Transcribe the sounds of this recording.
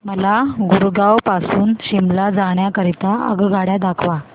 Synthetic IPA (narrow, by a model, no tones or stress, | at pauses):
məlaɡuɾɡawpasuːnɕimlad͡zaɽ̃jakəɾit̪aə̰ɡɡʱaɽjad̪akʰʋa